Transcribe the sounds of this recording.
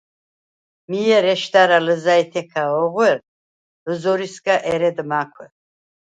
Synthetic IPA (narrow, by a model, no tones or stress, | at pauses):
mijɛɾɛʃd̪aɾaləzajt̪ʰɛkʰaɔʁwɛɾ | ləzɔɾisɡaʔɛɾɛd̪makʷʰwɛ